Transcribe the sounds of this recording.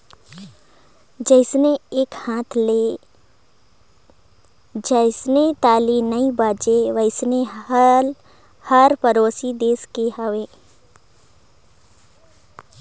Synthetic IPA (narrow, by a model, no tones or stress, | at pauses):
d͡ʒəɪsneeːkhãːt̪ʰleː | d͡ʒəɪsnet̪aːliːnəibaːd͡ʒeʋəɪsne | həɾpəɾoːsid̪eːskeɦəʋeː